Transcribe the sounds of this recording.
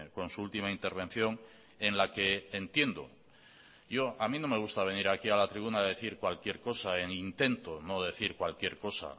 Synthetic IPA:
ko̞nsuult̪imaint̪e̞ɾβ̞e̞n̟θjo̞ŋ | e̞nlake̞ːnt̪je̞nd̪o̞̰ | ʝo̞amĩno̞me̞ɣ̞ust̪aβ̞e̞niɾakialat̪ɾiβ̞unaðe̞θiɾkwalkje̞ɾko̞saeŋint̪e̞nt̪o̞no̞ðe̞θiɾkwalkje̞ɾko̞sa̰

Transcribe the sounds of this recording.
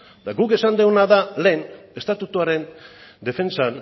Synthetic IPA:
t̪aɡuke̞sand̪euwnaðale̞ːne̞st̪at̪ut̪uaɾe̞nd̪e̞fe̞nt͡san

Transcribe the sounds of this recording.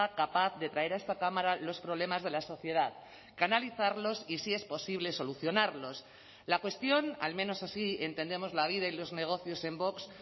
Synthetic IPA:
akapaθðe̞t̪ɾae̞ɾaest̪akamaɾalo̞spɾo̞β̞le̞mazðe̞laso̞θje̞ð̞að | kanaliθaɾlo̞sisie̞spo̞siβ̞le̞so̞luθjo̞naɾlo̞s | lakwe̞st̪jo̞na̰lmẽno̞sasie̞nt̪ẽ̞nd̪e̞mo̞zlaβ̞ið̞ailo̞zne̞ɣ̞o̞θjo̞se̞mbo̞ks

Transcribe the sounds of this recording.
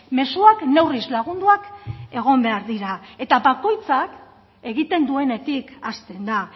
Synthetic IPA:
me̞suakne̞wrizlaɣ̞und̪uake̞ɣ̞o̞mbe̞aɾðiɾae̞t̪aβako̞jt͡sak | e̞ɣit̪e̞nd̪ue̞ne̞t̪ikast̪e̞nd̪a

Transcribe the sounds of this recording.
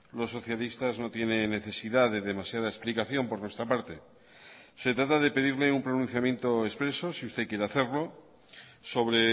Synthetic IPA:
lo̞sːo̞θjalist̪azno̞t̪je̞ne̞nːe̞θe̞siðaðe̞ðe̞masjað̞aesplikaθjo̞mpo̞ɾnwe̞st̪ɾapaɾt̪e̞ | se̞t̪ɾat̪aðe̞pe̞ð̞iɾleumpɾonũnθjamjẽ̞nt̪o̞espɾe̞sosiust̪e̞kje̞ɾeaθe̞ɾlo̞ | so̞βɾe̞

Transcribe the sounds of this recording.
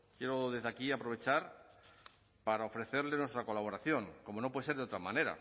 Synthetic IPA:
kjeɾoðeðeakiapɾo̞β̞e̞t͡ʃaɾ | paɾao̞fɾe̞θeɾle̞nwe̞st̪ɾako̞laβo̞ɾaθjo̞ŋko̞mo̞nop̬weseɾðeot̪ɾamãne̞ɾa̰

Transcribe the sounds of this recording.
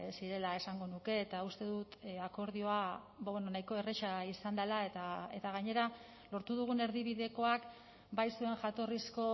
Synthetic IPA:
siɾe̞lae̞saŋɡo̞nuke̞ːt̪aust̪e̞ðut̪ako̞ɾðio̞a | βawenonajko̞e̞ret͡ʃaisand̪alae̞t̪ae̞t̪aɣ̞aɲe̞ɾa | lo̞ɾt̪uðuɣ̞une̞ɾðiβ̞iðe̞ko̞ak | bajsue̞ŋʝat̪o̞risko̞

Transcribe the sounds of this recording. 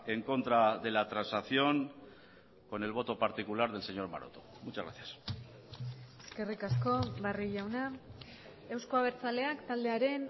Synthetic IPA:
e̞ŋko̞nt̪ɾaðe̞lat̪ɾansaθjo̞ŋ | ko̞ne̞lβ̞o̞t̪o̞paɾt̪ikulaɾðe̞lse̞ɲo̞ɾma̰ɾo̰t̪o̥ | mut͡ʃazɣɾa̰θjas | e̞ske̞rikasko̞βariʝawna | e̞wskoaβ̞e̞ɾt͡sale̞akt̪ald̪e̞aɾe̞n

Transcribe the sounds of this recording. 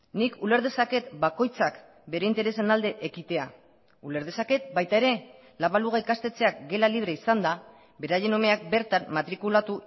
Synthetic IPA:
nikule̞ɾðe̞sake̞t̪bako̞jt͡sak | be̞ɾe̞int̪e̞ɾe̞se̞nald̪e̞ʔekit̪e̞a | ule̞ɾð̞e̞sake̞t̪̚bajt̪ae̞ɾe̞ | laβaluɣaikast̪e̞t͡se̞ak̚ɡe̞laliβ̞ɾeisand̪a | be̞ɾaje̞no̞me̞ak̚be̞ɾt̪anmat̪ɾikulat̪u

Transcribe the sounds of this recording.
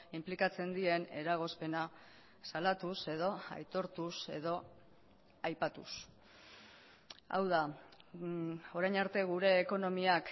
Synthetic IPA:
implikat͡se̞nd̪ie̞ne̞ɾaɣ̞o̞spe̞na | salat̪use̞ðo̞a̰jt̪o̞ɾt̪use̞ðo̞ | ajpat̪ṵs | a̰wð̞a | o̞ɾajnaɾt̪e̞ɣ̞uɾe̞ːko̞no̞miak

